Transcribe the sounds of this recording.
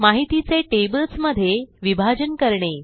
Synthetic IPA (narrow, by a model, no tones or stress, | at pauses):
maɦit̪it͡seʈebəlsməd̪ʱːjeʋibʱad͡ʑənkəɾɳe